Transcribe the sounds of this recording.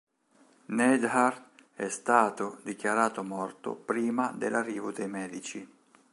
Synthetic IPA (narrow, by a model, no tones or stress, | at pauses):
nɛd̪harɛst̪aːt̪od̪ikjaɾaːt̪omɔrt̪o̰pɾiːmad̪ḛlarːiːvod̪ejmɛːd̪it͡ʃi